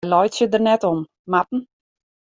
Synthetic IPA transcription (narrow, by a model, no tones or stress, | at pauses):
lɔjtsjədərnɛtɔn | matn̩